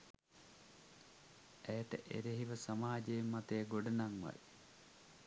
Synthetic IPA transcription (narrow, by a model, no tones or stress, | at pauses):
æjət̪əʔḛɾeɦiʋəsamaːd͡ʒeːmːat̪ejəɡoɖɐnaŋʋa̰j